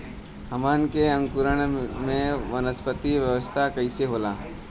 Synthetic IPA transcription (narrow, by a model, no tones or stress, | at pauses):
həmaːnkeə̃ŋkʊɾəɽ̃mẽʋənəspət̪iʋjəʋəst̪ʰakəɪseɦoːlaː